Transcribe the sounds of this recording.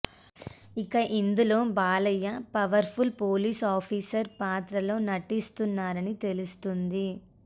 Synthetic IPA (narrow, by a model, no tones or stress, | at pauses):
ikɐʔind̪ulo̞ːbaːlɐjːɐpɐʋɐɾpʰulpoːliːsaːpʰiːsɐɾpaːt̪ɾɐlo̞ːnɐʈːist̪unːaːɾɐnit̪e̞lust̪und̪i